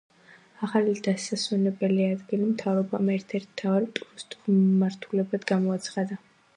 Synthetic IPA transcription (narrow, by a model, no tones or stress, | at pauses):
aχalid̪̥asaswɛnɛbɛliad̪ɡilimt̪ʰavɾɔbamɛɾt̪ʰɛɾt̪ʰt̪ʰːavaɾpʼɾust̪ʼmaɾt̪ʰulɛbad̪ɡamɔat̪sʰχad̪a